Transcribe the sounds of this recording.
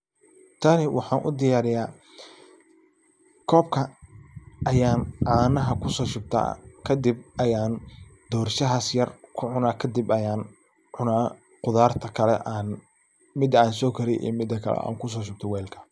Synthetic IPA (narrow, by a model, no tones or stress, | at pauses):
t̪ʰɐnɪwʔɑħɑːnʔʊ̰d̪ɪjaːɾɪjaː | kʰɔːb̚kʰɐ | ɐjaːnʕaːnɐɦɐkʰʊsɔːʃʊb̚t̪ʰa̰ːkʰɐd̪ɪb̚ʔɐjaːnd̪̥ɔːɾʃɐɦaːsjɐrkʰʊʕʊnaːkʰɐd̪ɪbɐjaːn | ʕʊnaː | qʊðaːrt̪ʰɐkʰɐlɛʔaːn | mɪd̪ɐaːnsɔːkʰɐɾɪjʔɛ̰ːmɪd̪ɐkʰɐ̰lɛ̰a̰ːŋkʰʊs̬ɔːʃ̬ʊb̚t̪ʰɔwɛːlkʰɐ̥